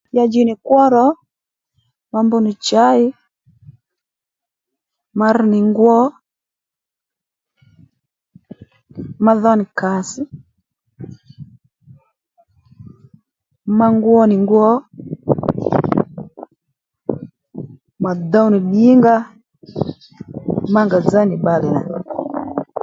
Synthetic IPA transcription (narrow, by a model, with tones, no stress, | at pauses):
ja˦d͡ʒi˦ni˨kwɔ˦ɾɔ˦ | ma˦mbɔ˦ni˨t͡ʃa˦i˦ | ma˨ɾni˨ŋɡwɔ˦ | ma˦ðɔ˦ni˨ka˨si˦ | ma˦ŋɡwɔ˦ni˨ŋɡwɔ˦ | ma˨da˦wni˨ɗi˦ŋɡa˦ | ma˦ŋɡa˨d͡za˦ni˨ɓa˨lɛ˨na̰˨